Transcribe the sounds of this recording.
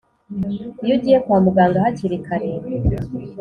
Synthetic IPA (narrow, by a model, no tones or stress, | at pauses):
juɟiːjekwaːmuɡaːŋɡahaciɾikʰaɾe